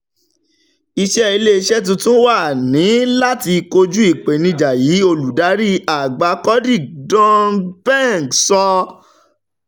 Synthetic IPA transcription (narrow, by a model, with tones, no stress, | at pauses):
i˧ʃɛ˦i˧le˦˧ʃɛ˦t̬ũ˧tũ˦wa˦˨nĩ˨˦la˦ti˧ko˧d͡ʒu˦i˦˨k͡pe˨nĩ˧d͡ʒa˨ji˨˦o˧lu˨da˨˦ɾi˦a˨ɡ͡ba˧kɔ˦di˦˨dɔ̃˦nbɛ˦˨ɡsɔ˧